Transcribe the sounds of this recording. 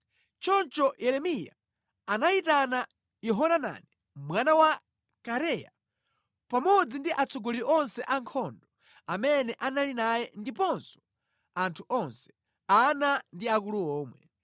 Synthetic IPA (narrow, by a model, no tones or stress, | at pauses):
t͡ʃɔnt͡ʃɔjʔɛɾɛmija̰ | anaitana | jɛɦɔnana̰nɛ | mwanawa | kaɾɛja̰ | pamɔd͡zindiʔat͡sʰɔɡɔliʔɔnsɛʔaŋkʰɔndɔ | amɛnɛʔanalinajɛndipɔnsɔ̥ | antʰuʔɔnsɛ̥ | anandiakuluɔːmwɛ̰